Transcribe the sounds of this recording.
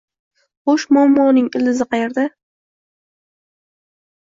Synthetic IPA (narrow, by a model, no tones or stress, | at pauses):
χoʃmɒmːɒnɪŋɪlɪzɪqʰɑjeɾd̪a